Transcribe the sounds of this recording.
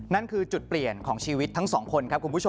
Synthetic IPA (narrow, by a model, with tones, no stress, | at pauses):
na˦˥nkʰɯː˧t͡ɕu˨˩t̪̚pli˨˩ənkʰɔː˩˦ŋt͡ɕʰiː˧wi˦˥t̪ʰːa˦˥ŋsɔː˩˦ŋkʰo˧nkʰa˦˥p̚kʰu˧npʰu˦˥˧